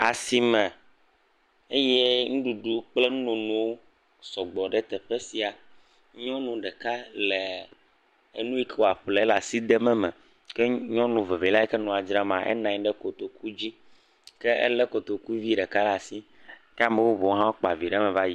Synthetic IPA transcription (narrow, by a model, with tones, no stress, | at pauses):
a˨si˨mɛ̃˨ | e˦je˦ŋũ˦ɖu˨ɖu˦k͡ple˦nũ˦nõ˨nũ˦wo˦ | sɔ˨ɡ͡bɔ˨ɖɛ˦t̪ɛ˨ɸe˦si˨a˨ | ɲɔ̃˦nũ˨ɖɛ˨ka˦le˨ | e˨nũ˦i˦ke˦wo˦˨a˨ɸlɛ˨˦la˨si˦d̪ɛ˦mɛ˨mɛ̃˨ | kɛ˦ɲɔ̃˦nũ˨ve˨ve˨la˦ɛ˦kɛ˦nɔ̃˨a˨d͡ʒɾa˦mã˨ʔɛ̰˦nã˨ɲ˦ɖɛ˦ko˨t̪o˨ku˦d͡ʑi˦ | kɛ˦ʔḛ˦lɛ˦ko˨t̪o˨ku˦vi˦ɖɛ˨ka˦la˨si˦ | kɛ˦a˦mẽ˨wo˦βo˨o˦ɦã˦k͡po˨a˨vi˨ɖɛ˦mɛ̃˨va˦ji˦